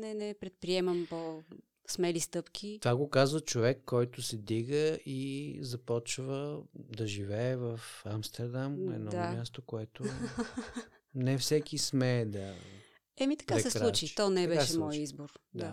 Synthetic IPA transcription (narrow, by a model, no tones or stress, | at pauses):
nɛnɛpɾɛt̪̚pɾiɛmɐmpo | smɛlist̪ɤpkʲʰit̪vaɡokazvət͡ʃovɛkʰːɔjt̪ʊsɛd̪iɡəizɐpɔt͡ʃvəd̪ɐʒivɛːɛvəfamst̪ɛɾd̪amnɛ̰d̪nɔammjast̪okoɛt̪o | nɛfsɛkismɛːd̪ə̰ | ɛmit̪ɐ̥kaɛsɛlˠut͡ʃit̪ɔnɛbɛʃʃɛmɔjizboɾd̪a